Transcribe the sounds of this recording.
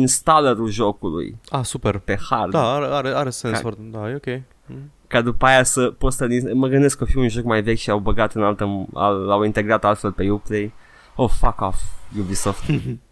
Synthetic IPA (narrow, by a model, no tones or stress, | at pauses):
inst̪aləɾulʒokulṵjasupeɾpe̞hard̪aaɾeaɾeaɾesensfoɾd̪ajeokʲej | kad̪upaajasəpot̪st̪əniəməɡɨnd̪eskːəfiunʒo̞kmajve̞kʲʃiawbəɡat̪ɨnalt̪əa̰lːawint̪e̞ɡɾat̪alfelpejuplej | ofakɔfjubisoft̪